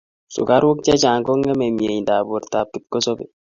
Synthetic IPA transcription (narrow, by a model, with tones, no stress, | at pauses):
sʊ̰˨ka˦ɾwo˦k̚t͡ʃɛ˦t͡ʃa˨ŋkɔ˦ŋɛ˦mɛ˨mje˨ɲndaː˨bo˨ɾta˨p̚ki˨˦t̚kɔ˦sɔ˦be˨